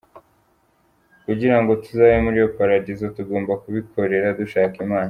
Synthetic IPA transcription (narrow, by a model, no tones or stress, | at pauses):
kuɟiɾaŋɡo̞tuzajemuɾijokaɾaɟizotuɡo̞ːmbakuβikʰo̞ɾe̞ɾaduʃaːkimaːna